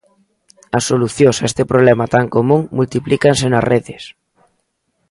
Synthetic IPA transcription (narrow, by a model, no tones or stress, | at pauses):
ɐsːoluθjosaest̪epɾoβlɛmat̪aŋkomũŋmult̪iplikansenɐsreðɪs